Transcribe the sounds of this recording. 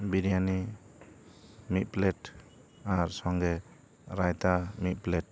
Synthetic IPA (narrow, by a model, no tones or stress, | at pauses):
biɾijani | mit̪̚plet | aɾsɔŋɡe | ɾajt̪amit̪̚plet̚